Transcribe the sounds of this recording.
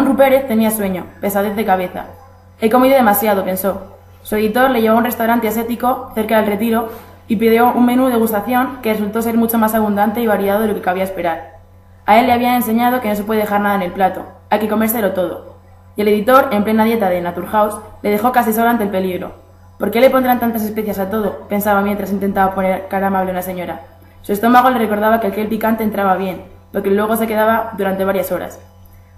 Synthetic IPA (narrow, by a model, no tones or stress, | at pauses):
onrupe̞ɾe̞θt̪e̞niaswe̞ɲo̞pe̞saðeθðe̞kaβ̞e̞θa̰ | eko̞miðoð̞e̞masjaðo̞pe̞nso̞ | sue̞ðit̪o̞ɾle̞ʝe̞β̞ounre̞st̪awɾant̪e̞ase̞t̪iko̞θe̞ɾkaðlre̞t̪iɾo̞ | ipiðjo̞ʔuŋmẽ̞nuðe̞ɣ̞ust̪aθjo̞ŋkeresult̪o̞s̬e̞ɾmut͡ʃo̞masaβund̪ant̪e̞iβaɾiaðo̞ðeo̞kekaβiae̞spe̞ɾaɾ | ae̞lːe̞aβ̞iaense̞ɲað̞o̞ke̞no̞s̬e̞pwe̞ðee̞xaɾnaðaene̞lplat̪o̞̰ | ajke̞ko̞me̞ɾs̬eelo̞t̪o̞ð̞o̞̰ | ie̞le̞ðit̪o̞ɾe̞mple̞naðje̞t̪aðe̞nat̪uɾxawsle̞ðe̞xo̞kas̬isoloant̪elpe̞liɣɾo̞̰ | po̞ɾke̞le̞po̞nd̪ɾant̪ant̪ase̞spe̞θjasat̪o̞ðo̞pe̞nsaβamjent̪ɾas̬int̪e̞nt̪aβapo̞neɾkaɾamaβle̞unase̞ɲo̞ɾa | sue̞st̪o̞maɣ̞o̞le̞re̞ko̞ɾð̞aβakealkelpikant̪eːnt̪ɾaβaβje̞n | po̞ɾke̞lwe̞ɣ̞o̞se̞keðaβaðuɾant̪eβaɾjaso̞ɾa̰s